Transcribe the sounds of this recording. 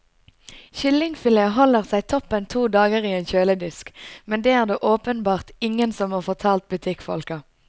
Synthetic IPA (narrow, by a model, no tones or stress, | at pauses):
çʏlːɪŋfɪleːəɦɔləʁsæɪt̪ʰɔpːənt̪ʰuːd̪ɑːɡəʁiːeːnçøːləd̪ɪskmɛnd̪eːæːʁd̪eːʔoːpənbɑːʁt̪ɪŋənsɔmhɑːʁfɔʁt̪ʰɑːlt̪̚bʉt̪ʰɪkfɔ̰lkɑ